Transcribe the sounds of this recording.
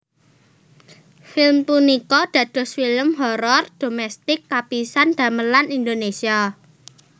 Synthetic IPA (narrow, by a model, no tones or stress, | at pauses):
filmpunikɔd̪̥ä̤d̥ɔ̤sfiləmɦɔɾɔrd̪̥o̤mɛst̪ɪkːapisand̪̥a̤məlanind̪onesia